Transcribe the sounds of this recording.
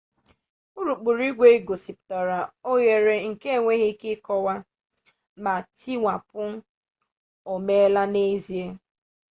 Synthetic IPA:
u˦ɾu˨k͡pu˨ɾi˦ɡʷe˦i˦ɡo˨si˨p̚tɔ˨ɾa˨o˦ɣe˨ɾe˨ŋ̩˨ke˦˨ŋʷe˦ɣi˦kɪ˦kɔ˦wa˦ | ma˨ti˦ŋʷa˨pʊ˦ | o˨me˦la˦ne˦zi˨e˦

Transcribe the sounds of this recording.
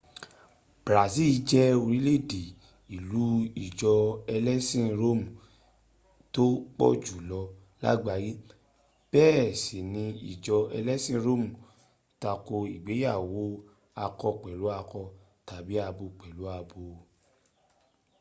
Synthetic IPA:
b̥ɾa˨si˦˨˧d͡ʒɛ˦o˧ɾĩ˨˦le˦˨de˨ | i˨lu˨˦i˦˨d͡ʒɔ˧ɛ˧lɛ˦sĩ˦ɾo˦mũ˨ | to˦k͡pɔ̰˦˨d͡ʒu˨lɔ˧ | la̰˦ɡ͡ba˧˨ji˦ | b̥ɛː˦˨se˨nĩ˧ḭ˨d͡ʒɔ˧ɛ˧lɛ˦sĩ˦˧ɾo˦˨mũ˨ | ta˧ko˧i˨ɡ͡be˨˦ja˦˨wo˨˦ | a˧kɔ˧k͡pɛ˨lu˨˦a˧kɔ˧ | ta˨bi˨˦a˧bo˧k͡pɛ˨lu˨˦a˧bo˧

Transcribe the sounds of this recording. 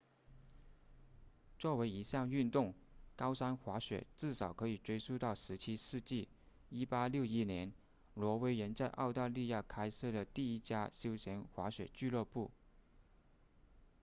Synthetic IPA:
t͡swɔ˥˩we˧˥ɪi˧˥ɕjɑ˥˧ŋy˥˧nt̪ʊ˥˩ŋkɑ˥ʊsa˥nxwa˧˥ɕɥɛ̰˨˩˦t͡sɹ̩˥˩ʂɑ˨˩ʊkʰɤ˧˥i˨˩ʈ͡ʂwe˥ɪsu˥t̪ɑ˥˩ʊʂɻ̩˧˥t͡ɕʰi˥sɹ̩˥˧t͡ɕi˥˩ | i˥pa˥ljo˥˩ʊi˥˩njɛ˧˥n | lwɔ˧˥we˥ɪɻə˧˥nt͡sa˥˧ɪʔɑ˥˧ʊt̪a˥˧li˥˧ja˥˩kʰa˥ɪsɤ˥˩d̪ə˩t̪i˥˩i˥t͡ɕja˥ɕjo˥ʊɕjɛ˧˥nxwa˧˥ɕɥɛ̰˨˩t͡ɕy˥˧lɤ˥˧pu˥˩

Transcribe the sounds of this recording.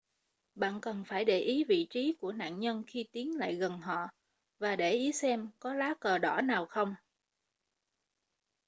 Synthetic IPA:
ɓa̰ː˧˨nkə˨˩nfaː˧˩jɗe˧˩ʔi˨˦vḭ˧˨t͡ɕi˨˦ku˧˩əna̰ː˧˨nɲə˧nxi˧t̪i˨˦ənla̰ː˧˨jɣə˨˩nɦɔ̰˧˨ | vaː˨˩ɗe˧˩ʔi˨˦sɛ˧mkɔ˨˦laː˨˦kəː˨˩ɗɔ˧˩naː˨˩wxə˧wŋ͡m

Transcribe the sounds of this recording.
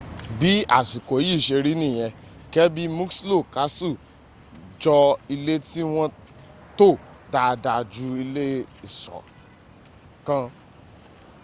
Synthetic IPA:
bi˨˦a̰˦˨si˨ko˨˦ji˦˨ʃe˧ɾi˦nĩ˦˨j̃ɛ̃˧kɛ˦bi˦mũ˦kslo˦˨ka˨˦su˦˨ | d͡ʒɔ˧i˧le˦ti˦w̃ɔ̃˦ | to˦˨ | da˧da˧d͡ʒu˧˦i˧le˦i˦˨sɔ̰˨ | kã˧

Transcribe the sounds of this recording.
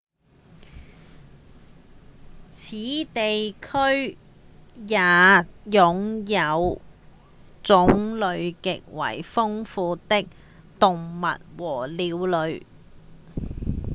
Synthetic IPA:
t͡sʰiː˨˥t̪e˨jkʰɵ˥ɥ | jaː˨˧jʊ˨ŋjɐ˨˧w | t͡sʊ˨˥ŋlɵ˨˧ɥkɪ˨k̚wɐ̰˨˩jfʊ˥ŋfuː˧t̪ɪ˥k̚ | t̪ʊ˨ŋmɐ̰˨t̚wɔː˨˩liː˨˧wlɵ˨˧ɥ

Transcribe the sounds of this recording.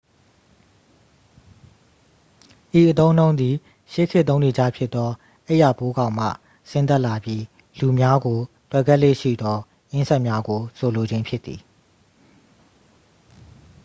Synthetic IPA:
ʔi˨ʔə˨t̪õ˦ʊ̃nõ˦ʊ̃nd̪i˨ | ʃe˦˨kʰɪ˦ʔt̪ːõ˦ʊ̃ne˨d͡ʑa̰˦˨pʰjɪ˦t̪t̪ːɔ˦ | ʔe˦ʔja˨po˦ɡã˨ʊ̃m̥ä̰˦˨ | sɪ̃˦nt̪a˦ʔla˨bji˦ | lu˨mja˦ɡo˨ | twɛ˦˨ɡɛ˦ʔlḛ˦˨ʃḭ˦˨d̪ɔ˦ | ʔɪ̃˦nsɛ˦ʔmja˦ɡo˨so˨lo˨d͡ʑɪ̃˦mpʰjɪ˦t̪θi˨

